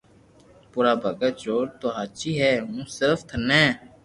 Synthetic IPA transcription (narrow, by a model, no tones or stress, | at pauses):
puːɾaːbʱəɡət͡ʃoːɾt̪oːɦaːt͡ʃiːɦɛːɦũːsɪɾəft̪ʰnɛ̃ː